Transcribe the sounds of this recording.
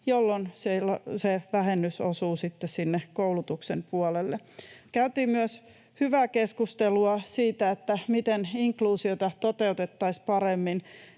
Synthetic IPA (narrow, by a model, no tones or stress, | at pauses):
jolːonselːseʋæhenːysosuːsit̪ːessinːekowlut̪uksempuɑlelːe | kæyt̪iːmyøs | hyʋæːkeskust̪eluɑsiːt̪æet̪ːæmit̪eniŋkluːsiot̪ɑt̪ot̪e̞ut̪et̪ːɑispɑɾemːin